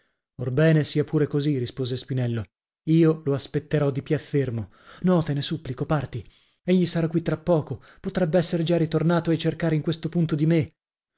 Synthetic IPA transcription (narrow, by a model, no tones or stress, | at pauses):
orbɛːnesiːapuːɾekozirispoːzespinɛlːo | iːoloaspet̪ːeɾɔd̪ipiafːermo | nɔt̪enesupːlikopart̪i | eʎːisaɾakːwit̪ːɾapːɔːko | pot̪ɾɛbːeɛsːeɾed͡ʒaɾit̪ornaːt̪oet͡ʃerkaːɾeiŋkwest̪opunt̪od̪ime